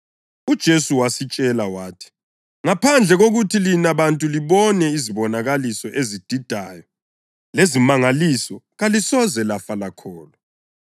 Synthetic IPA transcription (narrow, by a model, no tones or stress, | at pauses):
ud̥ʒ̥ʱesuwasit͡ʃʼɛlawaːtʰi̥ | ŋapʰand͡ɮʱɛɣoɣutʰilinaβantʼuliβɔnɛiziβɔnaɣalisɔʔezid̥ʱid̥ʱaːjɔ | lezimaŋalisɔɣalisɔzɛlafalakʰɔːlɔ